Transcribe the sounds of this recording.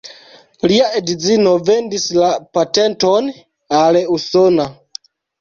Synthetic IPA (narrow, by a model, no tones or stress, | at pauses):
liaʔe̞dizino̞ve̞ndislapate̞nto̞n | aleuso̞na